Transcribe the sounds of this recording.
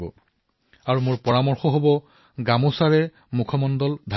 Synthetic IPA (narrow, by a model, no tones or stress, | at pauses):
bɔ̰ | aɹumʊɹpɔɹamɔɹxɔɦobɔ | ɡamosaɹɛ | mukʰɔmɔndɔldʱa